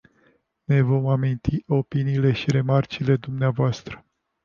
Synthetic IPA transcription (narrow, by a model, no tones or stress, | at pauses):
ne̞vo̞mamint̪iʔo̞piniːle̞ʃiɾe̞mart͡ʃile̞d̪umneavoast̪ɾə̥